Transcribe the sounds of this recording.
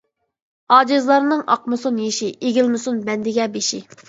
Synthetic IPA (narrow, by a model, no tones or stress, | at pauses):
ɑːd͡ʒɪzlˠɑɾnɨŋʔɑ̰qmɨsunjeʃiʔeɡʲilmɨsunbɛnd̪ɪɡʲɛbeʃi